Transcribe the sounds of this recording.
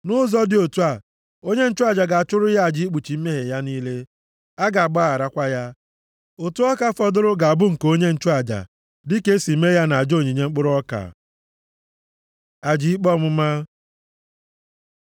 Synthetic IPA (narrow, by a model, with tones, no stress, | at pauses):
nʊ˦zɔ˦dɪ˨o˨tu˦a˨ | o˦ɲe˦n̩˦t͡ʃʊ˦a˨d͡ʒa˨ɡa˨a˨t͡ʃʊ˦ɾʊ˦ja˦a˨d͡ʒi˨˦i˦k͡pu˨t͡ʃi˨m̩˦me˦ɦe˨ja˦niː˦le˦ | a˦ɡa˨a˨ɡ͡ba˦a˨ɾa˦kʷa˦ja˦ | o˨tu˦ɔ˦ka˦fɔ˦dʊ˦ɾʊ˦ɡa˨a˨bʊ˦ŋ̩˨ko˦ɲe˦n̩˦t͡ʃʊ˦a˨d͡ʒa̰˨ | dɪ˦ke˦si˨˦me˦ja˦na˨a˨d͡ʒo˦˨ɲi˨ɲe˦ŋ͡m̩˦k͡pʊ˦ɾʊ˦ɔ˦ka̰˨ | a˨d͡ʒi˨˦i˦k͡pɔ˦m̩˦ma˦